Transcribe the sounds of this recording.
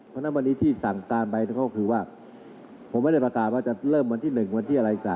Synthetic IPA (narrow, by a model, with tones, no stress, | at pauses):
pʰɔ˦˥na˦˥nwa˧nːiː˦˥t̪ʰiː˥˩sa˨˩ŋkaː˧nba˧jna˧˩kʰɔ˦˥˩kʰɯː˧waː˥˩ | pʰo˨˩˦mːa˥˩jda˥˩pɾa˧kaː˨˩t̪̚waː˥˩t͡ɕa˨˩ɾɤː˥˩mwa˧nt̪ʰiː˥˩nɯ˨˩ŋwa˧nt̪ʰiː˥˩a˧a˧ʔi˨˩sa̰ː˨˩